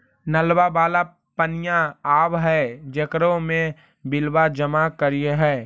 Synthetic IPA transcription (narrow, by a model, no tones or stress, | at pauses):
nəlwabaːla | pənijãaːʋɦɛd͡ʒəkɾõmẽ | bɪlwad͡ʒəmakəɾieɦɛː